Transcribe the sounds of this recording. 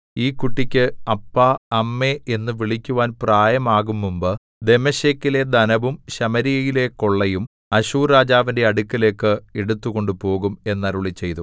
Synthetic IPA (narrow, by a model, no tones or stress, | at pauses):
iːkːuʈːikʲːɨɐpːaɐmːe̞enːɨʋiɭikʲːuʋaːnpraːjɐmaːɣumːumbɨ | d̪e̞mɐɕeːkːile̞d̪ɐnɐʋumɕɐmɐɾijɐjile̞ko̞ɭːɐjum | ɐɕuːɾaːd͡ʑaːʋinde̞ɐɽukʲːɐle̞ːkːɨeɽut̪ːuɣo̞ɳɖupo̞ːɣume̞nːɐɾuɭit͡ɕːe̞jt̪u